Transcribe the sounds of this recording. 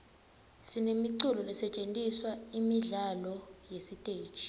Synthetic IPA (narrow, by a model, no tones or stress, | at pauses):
sinemiǀulɔlɛsɛt͡ʃʼentʼiswaimiɮalɔjesitʼe̥ːt͡ʃʰʼi̥